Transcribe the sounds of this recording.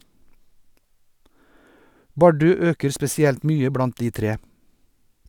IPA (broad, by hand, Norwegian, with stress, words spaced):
ˈbɑɖʉ ˈøːkəɾ spɛsɪˈɛlt ˈmyːə ˈbɽɑnt ˈdiː ˈtɾeː